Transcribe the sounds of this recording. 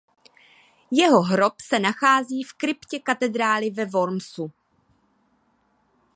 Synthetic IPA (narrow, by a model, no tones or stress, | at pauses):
jɛɦo̞ɦɾo̞psɛnaxaːziːfkɾɪpcɛkat̪ɛd̪ɾaːlɪvɛvoɾmsu